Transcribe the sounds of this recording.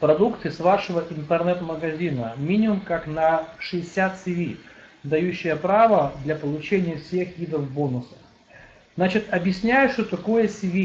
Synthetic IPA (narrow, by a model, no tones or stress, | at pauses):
pɾɐd̪ukt̪ɨsvaʂɨvəʔɪnt̪ərnɛt̪məɡɐzʲinəmʲinʲɪmʊmkaknɐʂɨɪsʲat̪sʲɪvʲid̪ɐjʉɕːɪjəpɾavəd̪lʲɐpəlˠʊt͡ɕenʲɪjəfsʲe̞xɡʲid̪ɾəfbo̞nʊsə̥ | znat͡ɕɪt̪ɐbjɪsʲnʲæjʊʂt̪ot̪ɐko̞jəsʲɪvʲi